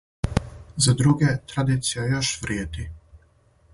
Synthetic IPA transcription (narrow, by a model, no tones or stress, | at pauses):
zad̪ɾuɡet̪ɾad̪iːt̪sijajoʃʋɾjeːd̪i